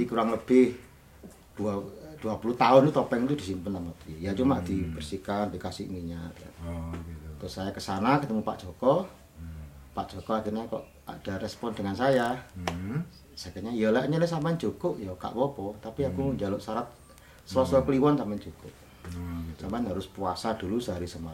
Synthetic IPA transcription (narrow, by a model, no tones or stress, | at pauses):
atikuɾaŋləb̥ɪh | d̥uad̥uapuluht̪aʊnt̪ut̪ɔpɛŋt̪udisimpənamap̪jat͡ʃumad̥ib̥ərsikandikasɪʔmiɲat̪ja̰ | t̪ʊsajakəsanakət̪əmupa̰ʔd͡ʒɔkɔ | paʔd͡ʒoɔkɔakirɲakɔ̰ʔ | a̰d̥aɾɛspɔndəŋansaja | sakəɲaijəlaʔɲalɛhsampaɲt͡ʃukʊʔjɔka̰ʔpɔbɔt̪apiakuɲd͡ʒalʊʔsaɾat̪̚ | səlɔsɔkəliwansamaɲt͡ʃukʊp̚ | sampanɦaɾʊspuasadulusəɦaɾisəma